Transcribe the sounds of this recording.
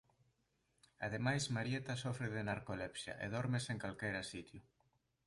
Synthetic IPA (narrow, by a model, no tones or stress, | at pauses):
að̞emajsmaɾjet̪ɐsɔfɾeðenaɾkolepsjɐ̰ʔḛðɔɾmeseŋkalkejɾɐsit̪jʊ